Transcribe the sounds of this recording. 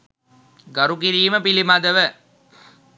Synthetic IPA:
ɡɐɾukiɾiːməpilimad̪əʋə

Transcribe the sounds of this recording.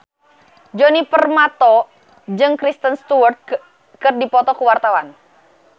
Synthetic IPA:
d͡ʒonipərmat̪ɔ | d͡ʒɨŋkɾist̪ənst̪uart̪̚ | kɨrdipɔt̪ɔkuwart̪awan

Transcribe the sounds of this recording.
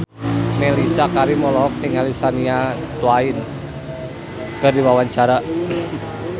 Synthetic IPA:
melisakaɾimɔlɔk̚ɪŋalisaniatuwaɪn | kɨrdiwawaɲt͡ʃaɾa

